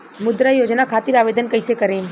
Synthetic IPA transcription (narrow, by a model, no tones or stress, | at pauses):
mʊd̪ɾajod͡ʒnakʰaːt̪iɾaʋed̪ənkəjsekəɾem